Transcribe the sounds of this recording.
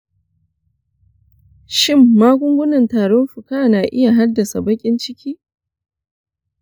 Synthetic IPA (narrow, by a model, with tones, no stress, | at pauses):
ʃɪ˦˨mːaː˦ɡʷʊ˦ŋɡʷʊ˦nɐ˨ntaː˨ɽɔ˦mɸʊ˨kaː˦naː˨ʔɪ˦ja˨ɦa˦dːɐ˨sa˨bɐ˦kʲʼɪ˦nt͡ʃɪ˦kʲʰiː˦